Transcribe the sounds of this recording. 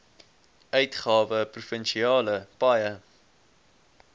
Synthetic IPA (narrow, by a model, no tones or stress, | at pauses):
œɥtχɑːvəprufənʃiɑːləpɐjə